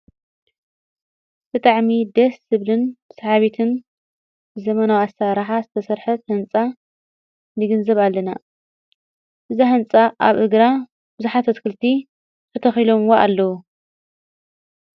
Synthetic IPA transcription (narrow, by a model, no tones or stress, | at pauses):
t̪ʰɨt̪ʼaʕmid̪ɐsːɨβlɨnsɐhaβit̪ʰɨn | bɨzɐmɐnawasːaɾaħazɨt̪ʰɐsɐɾħɐt̪hɨnt͡sʼa | nɨɡɨnzɐβalːɐna | ʔɨzaɦɨnt͡sʼaʔaβʔɨɡɾa | bɨzuħat̪ʰɐt̪kʰɨlt̪ʰi | k̪ʰɐt̪ʰɐxilo̞mwoʔalːɐwu